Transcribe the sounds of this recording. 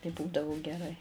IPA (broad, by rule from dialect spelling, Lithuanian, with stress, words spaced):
tɐɪ ˈbuːdɐʋʊ ɡʲɛˈrɐɪ